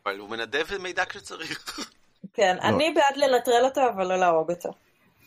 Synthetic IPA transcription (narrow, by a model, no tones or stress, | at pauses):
avalumenad̪evmejd̪akʃet͡saʁiχ | kenʔa̰nibeadlenatʁelo̞toavalːo̞laobot̪ʰo̰